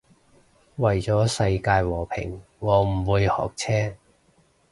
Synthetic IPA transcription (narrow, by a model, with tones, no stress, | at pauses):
wɐ˨˩jt͡sɔː˨˥sɐ˧jkaː˧jwɔː˨˩pʰɪ̰˨˩ŋ | ŋɔː˨˧m̩˨˩wuː˨˧jhɔ̰ː˨˩k̚t͡sʰɛː˥